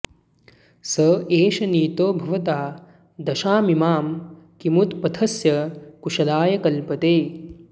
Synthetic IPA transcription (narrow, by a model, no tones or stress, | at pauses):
sɐeːʃɐniːt̪oːbʱɐʋɐt̪aː | d̪ɐʃaːmimaːmkimut̪pɐt̪ʰɐsjɐkuʃɐlaːjɐkɐlpɐt̪eː